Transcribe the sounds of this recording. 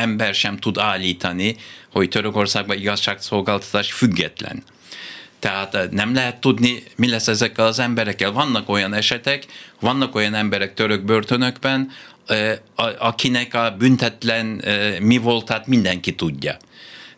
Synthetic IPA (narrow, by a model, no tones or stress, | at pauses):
ɛmbɛrʃɛmt̪ud̪aːlːiːt̪ɒniho̞ct̪øɾøko̞rsaːɡ̚bɒiɡɒʃʃaːkso̞lɡaːlt̪ɒ̥t̪aːʃfyɡːɛ̰t̪lɛ̰n | t̪ɛɦaːt̪nɛmlɛɦɛt̪ːud̪nimilɛsːɛzɛkːɛlɒzɛmbɛɾɛkːɛlvɒnːɒko̞jɒnɛʃɛt̪ɛkʋɒnːɒko̞jɒnɛmbɛɾɛk̚t̪øɾøɡ̚børt̪ø̞nøɡbɛn | ɒkinɛkɒbynt̪ɛt̪lɛnmivo̞lt̪aːt̪mind̪ɛŋkit̪uɟːɒ̰